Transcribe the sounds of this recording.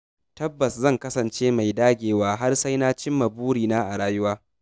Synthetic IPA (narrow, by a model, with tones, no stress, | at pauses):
tɐ˦bːɐ˨szɐ˦˨ŋkɐ˦sɐ˨nt͡ʃeː˦ma˨jdaː˦ɡʲeː˨waː˦ɦa˦rsa˦jnaː˦t͡ʃɪ˦mːɐ˨buː˦ɽiː˨naː˦ʔa˨ɽaː˦jʊ˦waː˦